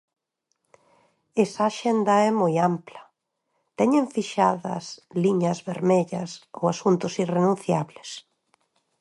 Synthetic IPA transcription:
esaːʃend̪ɐɛmojamplɐ | t̪ɛɲeɱfiʃaðɐ̰sliɲɐzβeɾmeʎɐso̰wasunt̪ʊsirenũnθjaβles

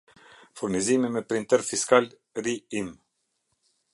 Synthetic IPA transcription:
fuɾnizimimɛpɾint̪ɛɾfiskal | ɾiim

